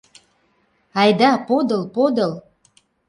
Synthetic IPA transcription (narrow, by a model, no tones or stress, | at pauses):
ɑjd̪ɑpod̪ɤ̆lpod̪ɤ̆l